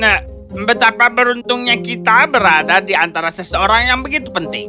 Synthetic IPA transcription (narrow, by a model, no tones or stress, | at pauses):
na | mbət̪apapəɾunt̪ʊŋɲakit̪abəɾadadiant̪aɾasəsəoɾaŋjaŋbəɡit̪u̥pənt̪ɪŋ